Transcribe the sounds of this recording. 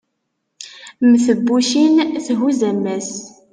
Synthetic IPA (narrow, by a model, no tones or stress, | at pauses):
mθəbːuʃinθɦuzæmːæs